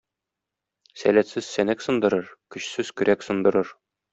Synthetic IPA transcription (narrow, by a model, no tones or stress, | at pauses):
sæ̰læt̪sɘz̥sænæksɤ̆nd̪ɤ̆ɾɤɾkɵ̆ɕsɘz̥kɵ̆ɾʔæksɤ̆nd̪ɤ̆ɾɤɾ